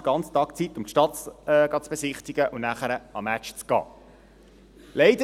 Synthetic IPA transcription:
ɡ̥ɑnt͡st̪ɑːkt͡sitʊmtʃtɑtːɡ̥ɑt͡sb̥ɛsɪχt̪iɡ̥əʔunæχəɾəɑmæt͡ʃt͡sɡ̥ɑ̰ː | lɛɪd̥ə

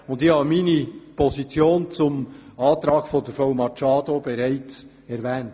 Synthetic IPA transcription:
ʊndɪçhɑːbəmiːnipʰɔzit͡sjoːnt͡sʊmɑːtɾɑːɡ̥fɔndəɾfowmɑt͡ʃɑːdobɛɾaɪt͡s | ɛɾvɛːnt

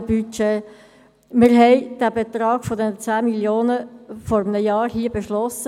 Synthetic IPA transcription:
byt͡ʃe | mɪɾɦɛɪd̥æbet̪ɾɑːɡ̥fɔdɛnət͡sæːmiljoːnəfɔɾəmnəjɑːɾhiːəbeʃlɔsə

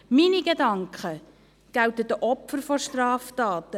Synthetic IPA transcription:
miniɡedɑŋkχə | ɡ̥awtədəʔɔpfəɾfɔʃtrɑːftɑːtə

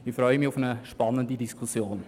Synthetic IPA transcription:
ɪfɾɔʏəmiʊfənəʃpɑnːəndidiskʰusjoːn

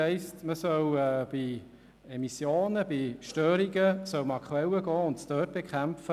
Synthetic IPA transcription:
ɛɪstməsœwɛb̥i | ɛmisjoːnəb̥iʃtœːɾiɡəsœwməɑkʰχuɛləɡɑːʊntstøːt̚b̥ɛkχæmfə

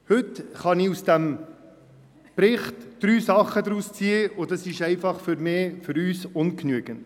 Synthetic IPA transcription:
hɵtχɑniusd̥æm | pɾɪχtd̥ɾyːsɑχədɾust͡siːəʊdɑsɪʃɛɪfɑχfʏɾmɪːfʏɾyːsʊnknyəɡ̥ən

